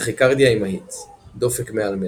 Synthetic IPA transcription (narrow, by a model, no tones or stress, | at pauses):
χikaʁd̪jaimait̪ | d̪ofekmealme